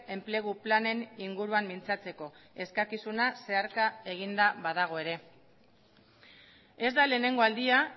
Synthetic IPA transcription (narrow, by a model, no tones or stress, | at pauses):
e̞mple̞ɣ̞uplane̞niŋɡuɾuamːint͡sat͡se̞ko̞e̞skakisunase̞aɾkae̞ɣ̞ind̪aβaðaɣ̞o̞e̞ɾe̞ | e̞zd̪ale̞ːne̞ŋɡo̞ald̪ia